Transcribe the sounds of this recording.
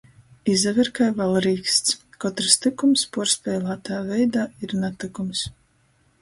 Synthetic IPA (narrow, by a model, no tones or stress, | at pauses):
izɛvʲɛɾkajvalˠɾiːkst̪skɔt̪ɾɨst̪ikumspuɔɾspʲɛːlˠaːt̪ajaːvɛjd̪aːiɾnat̪ɨkums